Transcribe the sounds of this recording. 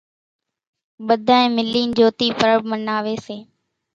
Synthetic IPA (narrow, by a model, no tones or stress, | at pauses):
ɓəd̪ʱaːẽːmɪlːiːnd͡ʒoːt̪iːpəɾəb̚mənaːʋeːseː